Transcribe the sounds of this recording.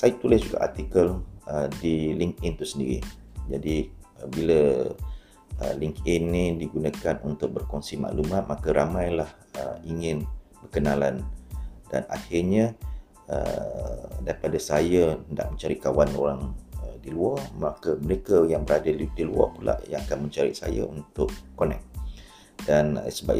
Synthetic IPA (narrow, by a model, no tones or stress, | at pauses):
sajət̪ulɪsd͡ʒuɡa̰ʔart̪ikələdiliŋk̚ɪnt̪usəndḭɾḭd͡ʒadiəbilə | ə̰liŋkɪnːidiɡunakanunt̪ʊk̚bərkɔnsima̰ʔlumat̪̚makəɾamajlah | ə̰iŋɪnbərkənaland̥a̰na̰hɪrɲa | ə̰ | daɾipadasajəənda̰ʔ̚mə̃ɲt͡ʃaɾikawanoɾaŋədiluɔrmakəməɾekəjaŋbəɾadadiluɔ̰pula̰ʔjaŋakanməɲt͡ʃaɾḭʔsa̰ja̰unt̪ʊʔkonɛ̰k̚ | d̥anə̰səba̰